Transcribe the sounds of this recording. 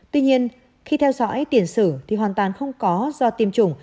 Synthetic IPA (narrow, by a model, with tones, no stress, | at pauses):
t̪wi˧ɲi˧ən | xi˧t̪ʰɛ˧wzɔ̰˧˥jt̪i˧˩ənsɨ̰˧˩t̪ʰi˨˩ɦwaː˨˩nt̪waː˨˩nxə˧wŋ͡mkɔ˨˦zɔ˧t̪i˧˩əmt͡ɕʊ˧˩ŋ͡m